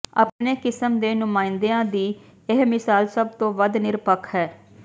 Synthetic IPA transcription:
a̰ːpneːkɪsəmd̪eːnʊmaːɪnd̪eãːd̪iː | ɪɦmɪsaːlsəb̚t̪õːʋəd̪nɪɾpəkʰɦɛː

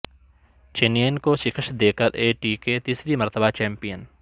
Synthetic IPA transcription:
t͡ʃenienkoʃɪkʰəʃd̪eːkəɾʔeːʈiːket̪iːsɾimɐɾt̪əbʱat͡ʃɛ̃ːmpijən

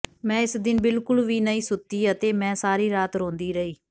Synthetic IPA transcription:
mɛ̃ːɪsd̪ɪnbɪlkʊlʋiːnəĩːsʊt̪ːiːət̪eːmɛ̃ːsaːɾiːɾaːt̪ɾõːnd̪iːɾəiː

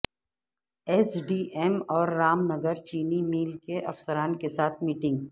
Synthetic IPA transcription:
esɖiːʔemɔːɾːaːmnɐɡəɾt͡ʃiːnimiːlkeʔɐfsəɾaːnkesaːt̪ʰmiːʈɪ̃ŋɡ

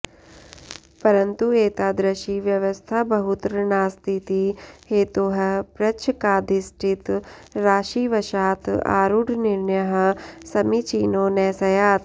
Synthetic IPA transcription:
pɐɾɐnt̪ueːt̪aːd̪ɾɐʃiʋjɐʋɐst̪ʰabɐɦut̪ɾnaːst̪ʰit̪iheːt̪oɦɐpɾɐt͡ʃʰkaːd̪ʱisʈʰit̪ | ɾaːʃiːʋɐʃaːt̪a̰ːɾuɖʱnɪɾnjɐɦɐsɐmit͡ʃiːnoːnɛːsɐjaːt̪

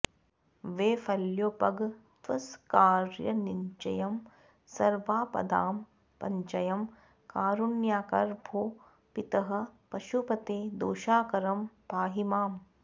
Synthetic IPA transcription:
ʋeːfɐljoːpɐɡt̪ʋɐskaːɾjɐniɲt͡ʃɐ̰jɐm | sɐɾʋaːpɐ̰d̪aːm | pɐɲt͡ʃɐjɐm | kaːɾunjaːkɐɾbʱoː | pit̪ɐɦɐ̆pɐʃupɐt̪eːd̪oːʃaːkɐɾɐmpaːɦimaːm

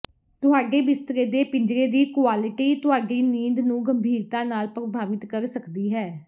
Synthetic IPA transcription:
t̪ʊɦaːɖeːbɪst̪ɾeːd̪eːpɪ̃ɲd͡ʒɾeːd̪iːkʊaːlɪʈiːt̪ʊɦaːɖiːniːnd̪nũːɡəmbʱiːɾt̪ãːnaːlpɾəbʱaːʋɪt̪kəɾsəkd̪iːɦɛː

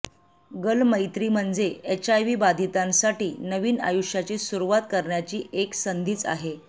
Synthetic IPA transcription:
ɡəlməjt̪ɾiːm̤əɳd͡zeet͡ɕajʋiːbad̪ʱit̪ãnsaʈiːnəʋiːna̰juʂjat͡ɕesuɾuʋat̪̚kəɾɳjat͡ɕiːʔeksənd̪ʱiːt͡sa̰ɦe

